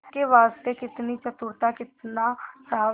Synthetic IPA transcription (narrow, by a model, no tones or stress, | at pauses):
keʋaːst̪ekɪt̪nit͡ʃɐt̪ʊɾt̪akɪt̪nasaː